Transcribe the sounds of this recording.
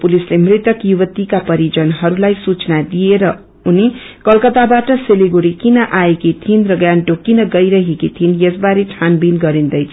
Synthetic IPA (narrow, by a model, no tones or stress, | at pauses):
pulislemrit̪ʌkjuβʌt̪ikapʌɾid͡zʌnɦʌɾulajsut͡snad̪ieɾʌ | uni | kʌlkʌt̪abaʈʌseliɡoɾikinʌʔaekit̪ʰinrʌɡjanʈokinʌɡʌjɾʌɦekit̪ʰinjʌsbaɾeʈʰanbinɡʌɾind̪ʌjt͡sʰ